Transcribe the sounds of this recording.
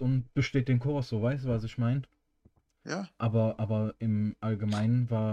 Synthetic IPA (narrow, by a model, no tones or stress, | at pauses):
ʊnt̚b̥əʃteːt̚d̥eːnkʰɔɐsz̥oːvaɪstuvasɪçmaɪn | ʔaːbɐʔaːbɐʔɪmʔalɡəmaɪnənvaːɐ